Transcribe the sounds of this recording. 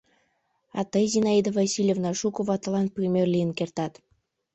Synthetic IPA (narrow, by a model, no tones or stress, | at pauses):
ɑ̰t̪ɑjzinɑid̪ovɑsʲilʲjevnɑʃukŏβɑt̪ɤ̆lɑnprʲimʲerlʲijənkert̪ɑt̪